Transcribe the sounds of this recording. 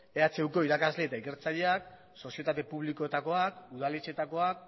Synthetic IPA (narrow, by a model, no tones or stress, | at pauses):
e̞at͡seuwko̞iɾakazle̞ːt̪aike̞ɾt͡saʎeak̚ | so̞sie̞t̪at̪e̞puβ̞liko̞et̪ako̞akuðalet͡ʃe̞t̪ako̞ak̚